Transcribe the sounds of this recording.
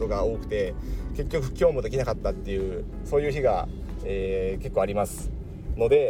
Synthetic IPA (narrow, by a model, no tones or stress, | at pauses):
o̞ɡao̞ːkɯ̟̥t̪e̞ke̞kʲːo̞kɯ̟ɯ̟̥kʲio̞ːmo̞d̪e̞kʲinakat̪ːat̪ːe̞jɯ̟ː | so̞ːjɯ̟ːçiɡa̰ | eːke̞kːo̞ːaɾʲimasɨ̥ | no̞d̪e̞